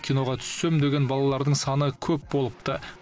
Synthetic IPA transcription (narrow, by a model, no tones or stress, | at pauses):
kʲʰijno̞ʁɑt̪ʰʏ̥sːe̞md̪eɡʲe̞nbɑlˠɑlˠɑɾd̪əɴsɑnəkʲʰɵp̚bo̞lˠəpt̪ə